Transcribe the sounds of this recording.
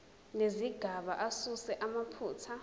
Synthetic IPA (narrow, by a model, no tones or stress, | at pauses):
neziɡ̥ʱaɓaʔasusɛʔamapʰuːtʰa